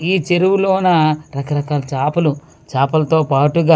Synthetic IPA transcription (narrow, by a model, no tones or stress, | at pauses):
iːt͡ʃeɾuwuloːnɐɾɐkɐɾɐkaːlɐt͡ʃaːpɐlu | t͡ʃaːpɐlɐt̪oːpaːʈuɡaː